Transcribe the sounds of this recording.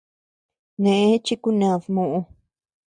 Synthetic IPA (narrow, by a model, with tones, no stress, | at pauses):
nẽ˨ʔẽ˦t͡ʃi˦ku˦nã˨ðmõ˨ʔõ˧